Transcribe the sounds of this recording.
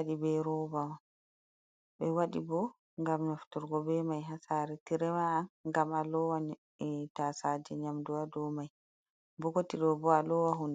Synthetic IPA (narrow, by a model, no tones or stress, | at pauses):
aɗibɛɾɔbawa | ɓɛwaɗḭbɔ | ŋɡamnaftuɾɡɔbɛmajɦasaːɾɛtiɾɛmaːnŋɡamalɔwa | ɛtasad͡ʒɛɲamduwadɔmaj | bɔkotiɗɔbɔalɔwaɦun